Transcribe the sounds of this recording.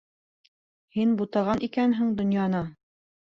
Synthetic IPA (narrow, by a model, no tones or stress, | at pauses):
hinbut̪ɑʁɑnʔikænɦɘŋd̪ŏnjɑnɤ